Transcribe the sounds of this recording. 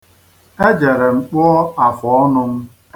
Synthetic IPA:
e˦d͡ʒe˨ɾe˨ŋ͡m̩˨k͡pɔ˦ɔ˦a˨fɔ˨ɔ˦nʊ˦ŋ̩˦

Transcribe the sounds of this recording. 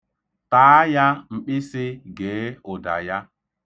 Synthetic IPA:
taː˨˦a˦ja˦ŋ͡m̩˨k͡pɪ˦sɪ˦ɡeː˨˦ʊ˨da̰˨ja˦

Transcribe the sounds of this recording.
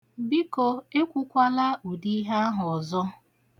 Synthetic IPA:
bi˦ko˨e˦kʷu˦kʷa˦la˦u˨di˦ɦa˦a˦ɦʊ˨ɔ˨zɔ˦

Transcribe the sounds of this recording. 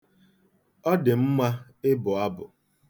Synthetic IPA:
ɔ˦dɪ˨m̩˦mʷa˦ɪ˦bʊ˨a˦bʊ˨

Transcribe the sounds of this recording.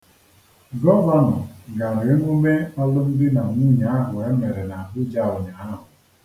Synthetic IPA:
ɡɔ˦va˦nɔ˨ɡa˨ɾɪ˨˦ŋu˦me˦a˦lʊ˦m̩˦dɪ˦na˨ŋu˦ɲa˨a˦ɦʊ˨e˦me˨ɾe˨na˨a˨bʊ˦d͡ʒa˦ʊ˨ɲa˨a˦ɦʊ˨

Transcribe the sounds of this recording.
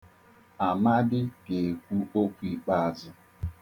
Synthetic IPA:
a˨ma˦dɪ˦ke˨kʷu˦o˦kʷi˦˨k͡pa˦a˨zʊ˦

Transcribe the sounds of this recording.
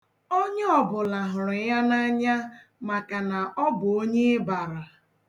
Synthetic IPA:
o˦ɲ˦ɔ˨bʊ˨la˨ɦʊ˨ɾʊ˨ja˦na˦ɲa˦ma˨ka˨na˨ʔɔ˦bʊ˨o˦ɲe˦ba˨ɾa˨

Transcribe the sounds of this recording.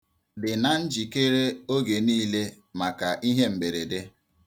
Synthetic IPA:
dɪ˨na˨n̩˦d͡ʒi˨ke˦ɾe˦o˦ɡe˨niː˦le˦ | ma˨ka˨ʔi˦ɦe˦m̩˨be˨ɾe˨de˦

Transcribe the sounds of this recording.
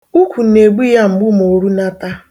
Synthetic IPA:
u˦kʷu˨ne˨ɡ͡bi˦ja˦m̩˨ɡ͡bʊ˦m˨o˨ɾu˦na˦ta˦

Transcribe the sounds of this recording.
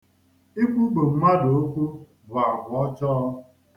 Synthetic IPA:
i˦kʷu˦ɡ͡bo˨m̩˦ma˦do˨o˦kʷu˦ | bʊ˨a˨ɦʊ˨ɔ˦t͡ʃɔ˦ɔ˦

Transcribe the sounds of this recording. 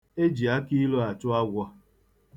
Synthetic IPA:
e˦d͡ʒi˨a˦ki˦lo˦a˨t͡ʃʊ˦a˦ɡʷɔ˦

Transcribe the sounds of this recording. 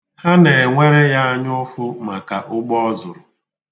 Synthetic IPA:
ha˦ne˨ŋʷe˦ɾe˦ja˦a˦ɲʊ˦fʊ˦ma˨ka˨ʔʊ˦ɡ͡bɔ˦ɔ˦zʊ˨ɾʊ˨

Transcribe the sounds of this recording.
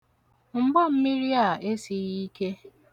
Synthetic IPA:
m̩˦˨ɡ͡ba˦m̩˦mi˦ɾi˦a˨e˦si˨ɣi˦ke˦

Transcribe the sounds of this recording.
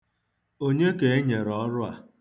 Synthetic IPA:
o˦ɲe˦ke˨e˦ɲe˨ɾɔ˨˦ɾʊ˦a̰˨

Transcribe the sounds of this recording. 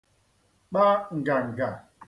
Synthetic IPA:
ɓa˦ŋ̩˨ɡa˨ŋ̩˨ɡa˨

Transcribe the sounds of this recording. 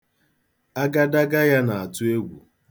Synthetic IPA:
a˦ɡa˦da˦ɡa˦ja˦na˨a˨tʊ˦e˦ɡʷṵ˨

